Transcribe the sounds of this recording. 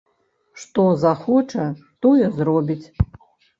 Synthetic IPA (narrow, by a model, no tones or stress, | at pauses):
ʂt̪ɔzaxɔt͡ʂɐ | t̪ɔjɛzrɔbʲit͡sʲ